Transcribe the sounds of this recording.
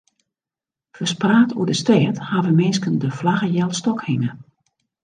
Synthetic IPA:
fəspraːtʰṵədəstɛːthaʋəmɪːskəndəflaɣəjɛlˠstɔkhɪŋə

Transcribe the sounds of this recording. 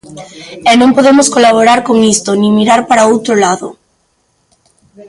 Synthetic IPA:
ɛnõŋpoðemoskolaβ̞oɾaɾkoŋist̪onĩmiɾaɾpaɾaowt̪ɾolaðo

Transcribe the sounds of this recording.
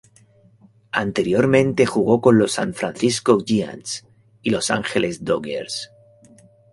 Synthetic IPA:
a̰nt̪e̞ɾjo̞ɾmẽ̞nt̪e̞xuɣ̞o̞ko̞nlo̞sa̰ɱfɾan̟θisko̞ʝia̰ns | ilo̞sa̰ŋxelʔe̞zd̪oɣḛɾs

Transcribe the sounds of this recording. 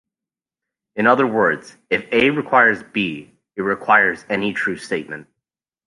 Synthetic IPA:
ɨ̃ñʌðə˞wɜ˞dz̥ | ɨfeɪɹɨkʰw̥aɪə˞zbi | ɨt̚ɹɨkʰw̥aɪə˞zɛnitʰɹ̥ʉsteɪt̚mɨ̃nt̚

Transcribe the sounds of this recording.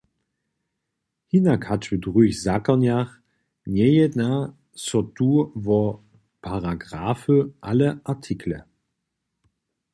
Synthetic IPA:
hinakʰat͡ʃvədʁyːçzakɐnjaχ | njɛjətna | sɔtuːvɔ | pʰaʁaɡʁaːfəʔaləʔatʰikʰlə̰

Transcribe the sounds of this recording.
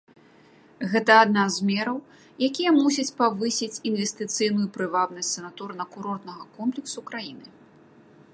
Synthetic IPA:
ɣɛt̪ɐːd̪nazmʲɛɾɐw | jakʲijɐmusʲit͡sʲpavɨsʲit͡sʲinvʲɛsʲt̪ɨt̪sɨjnujupɾɨvabnɐsʲtʲsɐnat̪urnɐkuɾɔrt̪nɐɣɐkɔmplʲiksukɾajinɨ

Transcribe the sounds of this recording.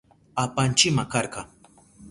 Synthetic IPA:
apant͡ʃɪmakɑɾqɑ

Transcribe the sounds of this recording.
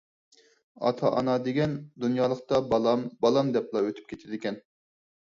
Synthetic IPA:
ɑ̰t̪ʰɑ̰ʔɑ̰nɑd̪eɡʲɛnd̪unjɑːlˠəqt̪ɑbmbɑlˠɑmd̪ɛplˠɑøt̪ʰy̥p̚kʲʰet̪ʰɪd̪ɪkʲɛn

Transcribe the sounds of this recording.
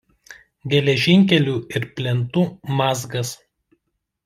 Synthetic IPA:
ɡʲɛlʲɛʒʲɪŋʲk̬ʲɛlʲuːɪɾpʲlʲɛnt̪uːmɑːzɡɐs

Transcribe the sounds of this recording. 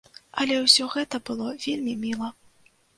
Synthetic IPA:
ɐlʲɛwsʲɔɣɛt̪ɐbɨlˠɔvʲelʲmʲimʲilˠɐ

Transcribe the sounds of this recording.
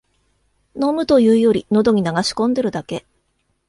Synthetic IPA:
no̞mɯ̟t̪o̞jɯ̟ːjo̞ɾʲḭno̞d̪o̞ɲ̟inaɡaɕi̥kõ̞nd̪e̞ɾɯ̟d̪ake̞

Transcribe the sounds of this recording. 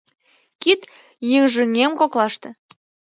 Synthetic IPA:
kit̪ | jiŋʒyŋʲemkoklɑʃt̪ɤ̆

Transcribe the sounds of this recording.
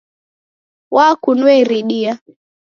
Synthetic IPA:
wakunɛɾiɗia

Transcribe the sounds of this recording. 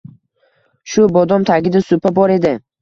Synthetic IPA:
ʃʊbɒd̪ɒmt̪ʰaɡʲɪd̪asʊpʰabɒɾe̞d̪ɪ

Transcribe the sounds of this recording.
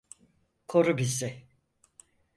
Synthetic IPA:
kʰoɾubizɪ

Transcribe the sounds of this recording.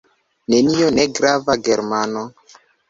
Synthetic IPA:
nenijoneɡɾavaɡeɾmano

